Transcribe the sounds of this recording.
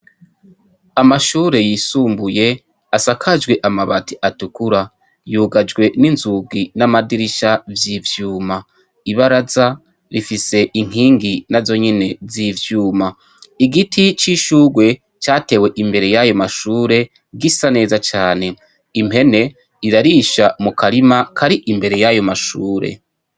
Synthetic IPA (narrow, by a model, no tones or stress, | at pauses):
amaʃuːɾe̞jisuːmbuje̞ | asakʰad͡ʒɡwe̞ʔamaβatʰiʔatukuɾa | juɡad͡ʒɡwe̞ninzuɡinamadiɾiʃavjivjuːma | iβaɾaza | ɾifise̞ʔiŋ̥ɦiːŋɡinazo̞ɲene̞zivjuːma | iɡitʰit͡ʃiʃuːɡwe̞ | t͡ʃaːte̞ːwe̞ʔimbe̞ɾe̞jajo̞maʃuːɾe̞ | ɡisane̞ːzat͡ʃaːne̞ | ime̞ne̞ | iɾaɾiːʃamukaɾimakʰaɾiʔimbe̞ɾe̞jajo̞maʃuːɾe̞̰